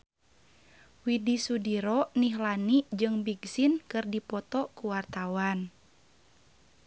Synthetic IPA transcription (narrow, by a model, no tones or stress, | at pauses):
widisudiɾɔniɦlanid͡ʒɨŋbiɡsinkɨrdipɔt̪ɔkuwart̪awan